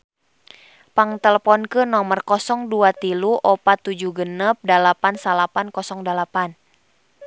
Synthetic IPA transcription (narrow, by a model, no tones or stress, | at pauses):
paŋt̪ɛləpɔnkənɔmərkɔsɔŋduat̪iluʔɔpat̪ːud͡ʒuɡənəp̚dalapansalapankɔsɔŋdalapan